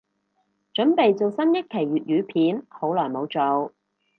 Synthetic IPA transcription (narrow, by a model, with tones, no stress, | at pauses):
t͡ʃɵ˨˥npe˨jt͡so˨wsɐ˥njɐ˥t̚kʰe˨˩jyː˨t̚ɥyː˨˧pʰiː˨˥nho˨˥wlɔː˨˩jmo˨˧wt͡so˨w